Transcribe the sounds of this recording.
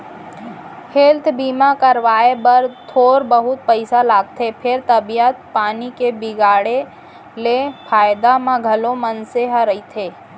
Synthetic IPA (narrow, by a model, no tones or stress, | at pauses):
helt̪ʰbiːmakəɾʋaːebəɾt̪ʰoːɾbəɦʊt̪̚pəɪsalaːɡ̚t̪ʰepʰɪɾt̪ɐbijət̪̚paːnikebɪɡaːɽe | lepʰaːjd̪amãɡʱɐlomənseɦaɾəit̪ʰeː